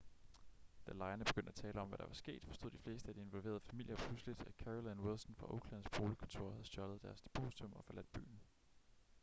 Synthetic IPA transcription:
d̥ælɑ̈ɪɐnəb̥eɡ̥øn̰d̥æt͡sʰɛːləɒ̽mʋæɾ̥ɑ̈ʋɑ̈sɡ̥e̝̰ːd̥fɒ̽sd̥o̝ð̰̥ˠifle̝ːsd̥əæd̥ie̝nʋɒ̽lʋe̝ːɐðˠfæmil̰jɐpʰluslid̥ækʰæʁɔlænwelsnfʁɑ̈ʔoʊkʰlæn̩sb̥ʁo̝ːləkʰɔ̽nt͡sʰo̝ɐ̰hæðˠsjɒ̽lð̞̩ˠd̥æɐsd̥e̝pʰo̝̰ːsit͡sʰɔ̽mɒ̽fɒ̽læd̥̚b̥y̰ːn̩

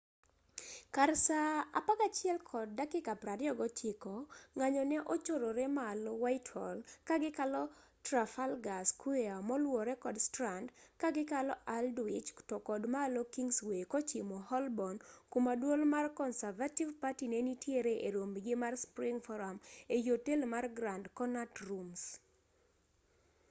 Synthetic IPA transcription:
karsaa̰pakat͡ʃɪɛlkʰɔd̚ːakɪkapɾaɾjɔɡɔt͡ʃʰɪkɔŋaɲɔnɛʔɔt͡ʃoɾoɾɛmalɔwaɪthɔ̰lkaɡɪkalɔ | tɾafalɡaskweamɔlwɔɾɛkɔdstɾandkaɡɪkalɔʔaldwɪt͡ʃtɔkɔdmaːlɔkiŋɡswekɔt͡ʃɪmɔhɔlbɔnkumadwolmarkɔnsavativpatinɛnitjeɾeʔeɾombɡɪmarspɾɪŋfɔɾamejotelmarɡɾandkɔnatrums

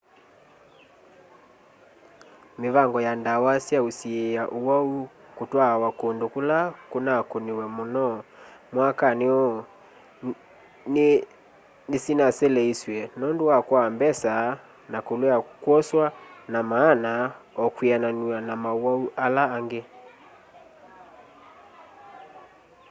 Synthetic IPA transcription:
meβaŋɡɔjandawasjausiejaʔuwau | kutwawakondokulakonakoniwɛmɔnɔmwakaneɔ | n | nesinasɛlɛiswɛnɔndowakwambɛsa | nakolɛakwɔswanamaːnaɔkwiananuanamauwauʔalaːŋɡe

